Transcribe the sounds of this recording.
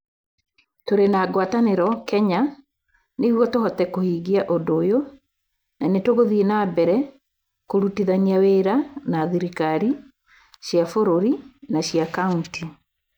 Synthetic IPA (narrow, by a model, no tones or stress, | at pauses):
toɾenaɡwataneɾɔkɛɲa | neɣwɔtohɔtɛkohiːɣiaʔodojo | nanetoɣoðienabɛɾɛ | koɾutiðaniaweɾanaðiɾikaɾi | ɕjafoɾoɾinaɕijakaunti